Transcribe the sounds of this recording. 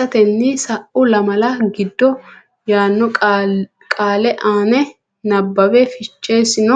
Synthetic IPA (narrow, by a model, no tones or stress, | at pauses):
ɐt̪ɛnːɪsɐʔʊlɐmɐlɐɡɪd̪ːɔ | jaːnːɔ | kʼaːlɛʔaːnɛ | nɐbːɐbɛfɪt͡ʃːeːsɪnɔ